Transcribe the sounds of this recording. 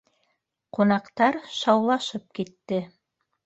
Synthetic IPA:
qunɑqt̪ɑɾʃɑwlˠɑʃɤp̚kit̪ːɘ

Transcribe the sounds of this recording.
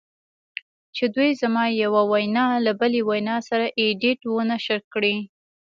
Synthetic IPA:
t͡ʃed̪wujzamɑjawawajnɑlabəlewajnɑsaɾaʔeɖɪʈwənaʃəɾkɽi

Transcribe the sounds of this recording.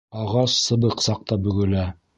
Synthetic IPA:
ɑʁɑsːɤ̆bɤqsɑq̚t̪ɑbɵ̆ɡɵ̆læ

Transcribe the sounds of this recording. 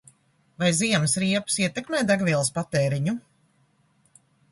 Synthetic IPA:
vajziɛmsɾiɛpsiɛt̪ɛkmɛːd̪aɡviɛlˠspat̪eːɾiɲu

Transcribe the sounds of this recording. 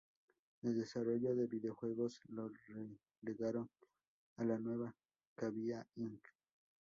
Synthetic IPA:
eld̪e̞saro̞ʝo̞ðe̞βiðeoxwe̞ɣo̞slore | leɣaɾo̞n | alanwe̞βa | kaβiaiŋk

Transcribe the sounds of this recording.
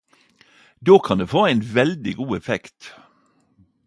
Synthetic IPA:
d̪oːkʰɑnd̪eːfoːæɪnʋɛld̪ɪɡuːɛfɛkt̪

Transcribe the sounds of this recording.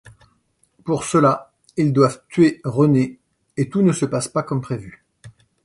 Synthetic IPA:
puʁsəla | ild̪wavt̪ɥeʁəneː | t̪unəsəpaspakɔmpχevy

